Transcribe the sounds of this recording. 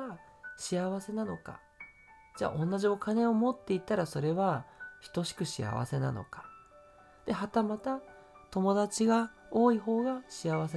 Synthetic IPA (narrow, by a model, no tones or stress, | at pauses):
a | ɕiaβ̞ase̞nano̞ka̰ | d͡ʑa̰ːʔõ̞nːaʑio̞kane̞o̞mo̞t̪ːe̞it̪ːaɾaso̞ɾe̞βaçi̥t̪o̞ɕi̥kɯ̟ɕia̰βa̰se̞na̰no̞̰kḁ | d̪̥e̞ɦat̪amat̪a | t̪o̞mo̞d̪at͡ɕiɡa | o̞ːiho̞ːɡaɕiaβase